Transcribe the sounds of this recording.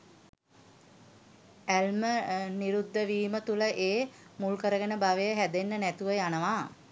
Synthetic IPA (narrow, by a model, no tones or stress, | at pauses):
ælməniɾud̪ːəʋiːmət̪uləʔeːmulkəɾəɡənəbaʋəjəɦæd̪enːənæt̪uʋəjanəʋaː